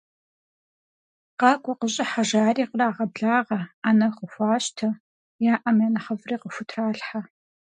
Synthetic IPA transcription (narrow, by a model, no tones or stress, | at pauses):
qɑːkʷʼɔqəɕʼɪħaʒaːriːqəraːʁɐbɮaːʁɐanɐqəxʷɑːɕtʰɐ | jaːʔɐmjanɐχɐvriːqəfʷʊtʰraːɬħa